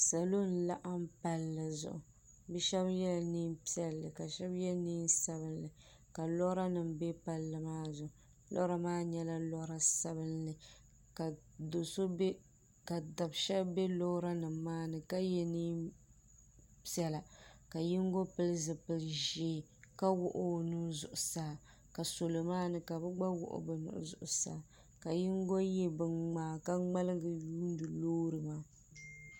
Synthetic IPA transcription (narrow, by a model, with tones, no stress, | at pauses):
sa˨lo˦n̩˨la˦ʔa˦mpa˦lːɨ˨zʊ̰˨ʔʊ˨ | bɛ˦ʃɛ˦bjɛ˦lniː˦mpi˦ɛ˦lːɨ˨ka˨ʃɛ˦bjɛ˦niː˦nsa˦bɨ˦nlɨ˨ | ka˨lɔ˦ɾa˦nɨ˨mbɛ˦pa˦lːɨ˨maː˦zʊ˨ʊ˨ | lɔ̰˦ɾa˦maː˦ɲɛ˦la˦lɔ˦ɾa˦sa˦bɨ˦nlɨ˨ | ka˨ | do˨so˦b | ka˨da˨bʃɛ˦bbɛ˦lo˦ɾa˦nɨ˨mːaː˦nɨ˨ka˦jɛ˦niː˦ | pɛ˦la˨ka˨ji˦ŋ˦ɡo˦pɨ˦lɨ˦zɨ˨pɨ˨lʒeː˦ | ka˦wʊ˦ʔʊ˦˨nuː˦zʊ˨ʔʊ˨saː˦ | ka˨so˨lo˨maː˦nɨ˦ka˨bɨ˦ɡ͡ba˦wʊ̰˨ʔʊ̰˨bɨ˨nʊ̰˨ʔʊ̰˨zʊ̰˨ʔʊ˨saː˦ | ka˨ji˦ŋ˦ɡo˦je˦bɨ˨ŋ͡maː˨ka˦ŋ͡ma˦lɨ˦ɡɨ˨juː˦n˦dɨ˨loː˦ɾɨ˨maː˦